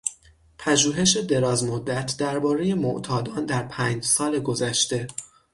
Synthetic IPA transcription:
pʰæʒuːɦe̞ʃe̞d̪e̞ɾɒːzmod̪ːæt̪ʰd̪æɾbɒːɾe̞je̞mo̰ʔt̪ʰɒːd̪ɒːnd̪æɾpʰæːɲd͡ʒsɒːle̞ɡo̞zæʃt̪e̞

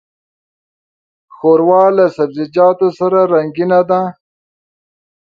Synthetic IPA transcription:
xoɾwɑːlasabzɪd͡ʒɑːt̪osaɾaɾaŋɡinad̪a

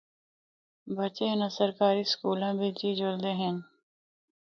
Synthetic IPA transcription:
bət͡ʃeːnəsəɾkaːɾiskuːlãːbʱid͡ʒiːd͡ʒold̪eːɦɛ̃n

